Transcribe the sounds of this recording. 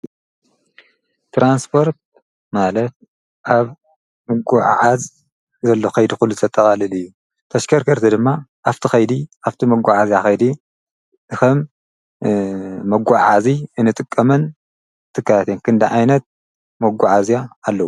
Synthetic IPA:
t̪ʰɾanspʰo̞ɾt̪̚ | malɐt̪̚ | ʔaβ | mɨɡʷaʕʕaz | zɐlːoxɐjd̪ixulːuzɨt̪ʰɐt̪ʼːɐkʼalɨlɨjːu | t̪ʰɐʃkʰɐɾkʰɐɾt̪ʰid̪ɨmːaʔaft̪ʰixɐjd̪iaft̪ʰimɐɡʷaʕazijaxɐjd̪i | ɨxɐm | ɐɡʷaʕaziɨnɨt̪ʼɨkʼːɐmɐn | t̪ʰɨkːatat̪enkʰɨnd̪ɐʕajnɐt̪̚ | mɐɡʷaʕazjaːlːɐwu

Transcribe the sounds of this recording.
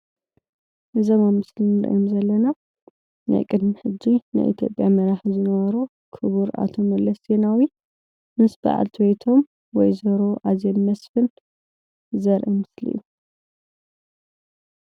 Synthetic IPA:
ʔɨzɐmamːɨslinɨɾʔomzɐlːɐna | nʔa̰jkʼɨd̪mɨħɨd͡ʒːina̰jʔḭt̪ʰjo̞̰pʼjamɐɾaħzɨnɐβɐɾu | kʰɨβuɾa̰t̪ʰomɐlːɐszenawi | mɨsba̰ʕa̰lt̪ʰɨwejt̪ʰo̞m | wɔjzɐɾoʔazenmɐsfɨn | zɐɾʔɨmɨslḭjːu

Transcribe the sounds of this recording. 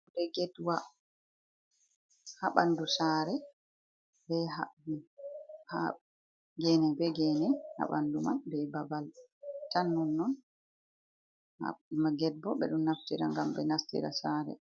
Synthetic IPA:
dɛɡɛtwa | haɓandusaːɾɛ | bɛɦa̰wiha | ɡɛnɛbɛɡɛnɛha̰ɓa̰nduma̰nbɛbabaltanːunːɔn | ha̰imaɡɛd̚bɔɓɛ̰ɗumnaftiɾa̰ŋɡamɓɛ̰nastḭɾa̰saːɾɛ̰

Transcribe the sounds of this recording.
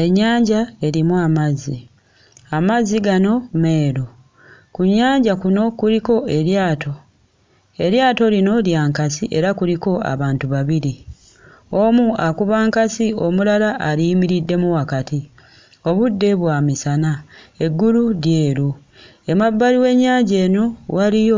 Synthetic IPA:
e̞ɲːaːɲɟae̞ɾimuamazi | amaziɡano̞me̞ːɾo | kuɲːaːɲɟakuno̞kuɾiko̞e̞ɾjaːto̞ | e̞ɾjaːto̞lino̞ljaːŋkasiʔe̞ɾakuliko̞a̰βaːntuβaβiɾi | o̞muakuβaːŋkasio̞mulalaʔːɾiːmiɾidːe̞muwakati | o̞βudːe̞βwaːmisanae̞ɡːuluɾje̞ːɾu | e̞mabːaliwe̞ɲːaːɲɟe̞ːno̞walijo

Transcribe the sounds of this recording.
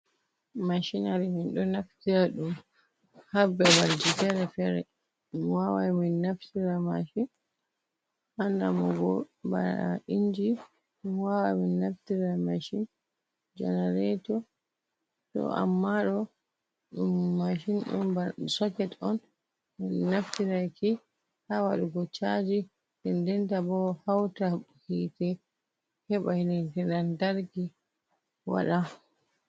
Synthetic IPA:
maʃinaɾiminɗɔnaftiɾaɗum | habɛbald͡ʒitɛɾɛfɛɾɛ̰ | wawaminːaftiɾama̰ʃin | ʔanːa̰mɔɡɔba̰a̰iɲd͡ʒi | wawaminːaftiɾamaʃin | d͡ʒɛ̰nɛɾɛtɔ | sɔ̰a̰mːaɗɔ | ɗumːaʃinɗṵnbasɔkɛtɔn | naftiɾajki | hawaɗuɡɔt͡ʃad͡ʒi | tɛndɛntabɔhawtahitɛ | hɛɓahinɛtɛnandaɾɡi | wa̰ɗa

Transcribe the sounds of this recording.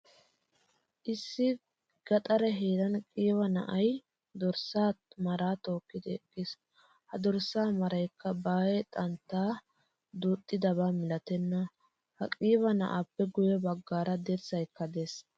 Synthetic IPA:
ʔɪsːɪ | ɡ̥ɐt̪ʼɐɾɛɦeːd̪ɐnkʼiːwɐnɐ̰ʔɐj | d̪ɔɾsaːmɐɾaːt̪o̞ːkːɪd̪ɪɛkʼːɪs | hɐd̪ɔɾsːaːmɐɾɐjkːɐbaːjɛt̪ʼɐnt̪ːaː | d̪uːt̪ʼːɪd̪ɐβaːmɪlɐt̪ɛnːɐ | hɐkʼiːβɐnɐ̰ʔaːpːɛɡʊjɛbɐɡːaːɾɐd̪ɛɾt͡sːɐjkːɐd̪es

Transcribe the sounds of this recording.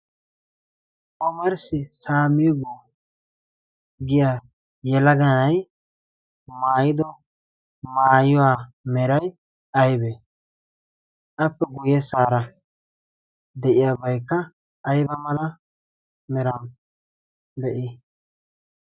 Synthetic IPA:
ʔɔmɐɾsɪsaːmiɡɔ | ɡɪja | jɛlɐɡɐnɐj | maːjɪd̪ɔ | maːjɔwaː | mɛɾɐj | ɐjbe | ʔɐpːɛɡʊjɛsaːɾɐ | d̪ɛʔɪjabɐjkːɐ | ʔːjbɐmɐlɐ | mɛɾɐn | d̪ɛʔɪ

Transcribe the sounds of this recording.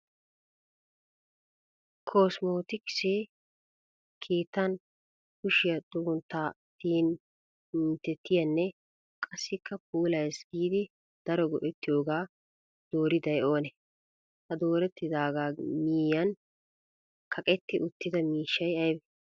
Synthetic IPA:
kʰo̞ːsmo̞ːt̪ɪkɪ̥se | kʰiːt̪ːɐn | kʊʃɪjɐt̪ʼʊβʊnt̪ːaː | t̪iːn | ɪnt̪ːɛt̪ːɪjɐnːɛ | kʼɐsːɪkʰːɐp̚uːlɐjsɡiːd̪ɪ | d̪̥ɐɾɔɡɔʔɛt̪ːɪjo̞ːɡaː | d̪̥o̞ːɾɪd̪ɐjo̞ːnɛ | hɐd̪o̞ːɾɛt̪ːɪd̪aːɡaːmiːjɐn | kʰɐkʼɛt̪ːɪʔʊt̪ːɪd̪ɐmiːʃːɐjɐjbɛ

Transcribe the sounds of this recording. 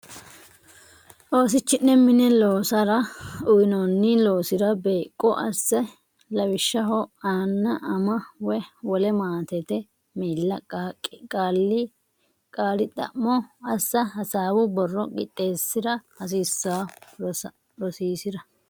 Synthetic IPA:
ʔo̞ːsɪt͡ʃːɪnːɛmɪnɛlo̞ːsɐɾɐʊjɪnonːɪlo̞ːsɪd̪ɐbeːkʼːɔ̰ʔɐsːɛ | lɐwɪʃːɐɦɔaːnːɐʔɐmɐwɛwɔlɛmaːt̪ɛt̪ɛ | miːlːɐkaːkʼːkʼaːlːɪ | kʼaːlɪt̪ʼɐ̰mːɔɐsːɐɦɐsaːwʊbɔrːɔɡʼɪt̪ʼːeːsːɪd̪ɐhɐs̬isːaː | ɾɔsiːsɪd̪ɐ

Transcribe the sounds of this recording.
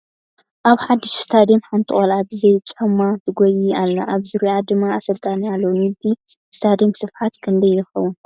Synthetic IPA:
ʔaβħad̪ːɨʃst̪ʰad̪imħant̪ʰɨχʼolabizɐjt͡ʃʼɐmːat̪ʰɨɡojialːɐ̰ʔaβzɨɾujad̪ɨmːaːsɐlt̪ʼanialːɐwmilt̪ʰist̪ʰad̪imsɨfħat̪kʰɨnd̪ɐjːɪxɐwːʊn

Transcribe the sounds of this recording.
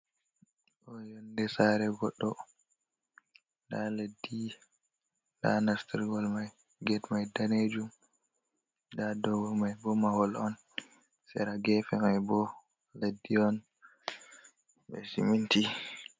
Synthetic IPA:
ʔɔjɔndɛsaɾɛɡɔɗːɔ | ndaledːi | nda̰nastiɾɡɔlmaj | ɡɛtmajdaned͡ʒum | dadɔwɔmajbɔmahɔlɔn | sɛ̰ɾaɡɛfɛmajbɔ | ledːiɔn | bɛ̰sḭminti

